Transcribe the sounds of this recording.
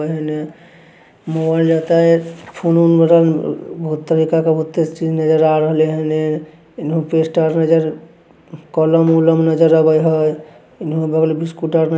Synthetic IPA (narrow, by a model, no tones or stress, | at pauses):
ɦəne | mobald͡ʒət̪ajpʰonunbəɾabʱɦut̪ːəɾikakebʱut̪ːest͡ʃid͡ʒnəd͡ʒəɾaɾəɦəleɦəne | inɦũpesʈaɾnəd͡ʒəɾ | kɔləmuləmnəd͡ʒəɾəbəjɦəj | inɦũbəɡlbiskuʈaɾnə